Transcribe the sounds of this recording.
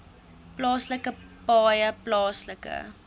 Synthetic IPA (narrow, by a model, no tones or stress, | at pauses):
plɑːsləkəpɑːjəplɑːsləkə̰